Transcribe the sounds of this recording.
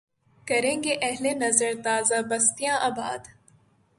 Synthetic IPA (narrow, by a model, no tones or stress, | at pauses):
kɐɾẽːŋɡeʔɐɦlenɐzəɾt̪aːzabɐst̪ijãʔaːba̰ːd̪